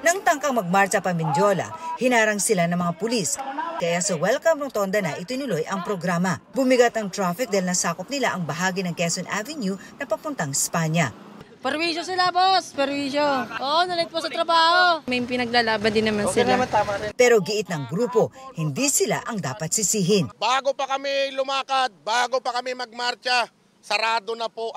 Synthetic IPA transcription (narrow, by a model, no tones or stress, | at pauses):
nɐŋt̪ɐŋkɐŋmɐɡ̚maɾt͡ʃɐpɐmɪnd̪jo̞lɐ̰hɪnaːɾɐŋsɪlanɐŋmɐŋapʊliskɐjasɐwɛlkɐmɾot̪o̞nd̪ɐnɐʔɪt̪ɪnʊlojʔɐŋpɾoɡɾaːmɐbʊmɪɡat̪ɐŋt̪ɾafɪk̚d̪ɐjlnɐsaːkop̚nɪlaʔɐŋbɐɦaːɡinɐŋkɛsonʔavɛnjunɐpɐpʊnt̪ɐŋɪspaɲɐ | pɛɾwisosɪlabospɛɾwiːʃoʔoʔonɐlɪt̪̚posɐt̪ɾɐbaːhomɐjpɪnɐɡ̚laːlaːbɐnd̪ɪnːɐmansɪɐmat̪aːmapɛɾo̞ɡɪʔɪt̪̚nɐŋɡɾuːpo̞hɪnd̪isɪla̰ʔɐŋd̪aːpɐt̪̚sɪsiːɦɪnbaːɡopɐkɐmɪlʊmaːkat̪̚baːɡopɐkɐmɪmɐɡ̚maɾt͡ʃɐ | sɐɾaːd̪onɐpo